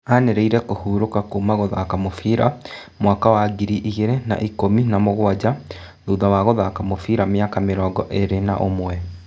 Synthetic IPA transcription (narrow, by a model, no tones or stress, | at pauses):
aneɾeiɾɛkohuːɾokakomaɣɔða̰ːkamofiɾa | mwaːkawaɡiɾiʔiɣeɾena̰ʔikominamoɣwad͡ʑa | ðuðawaɣɔðaːkamofiɾameakameɾɔːɡɔʔeɾena̰ʔomwɛ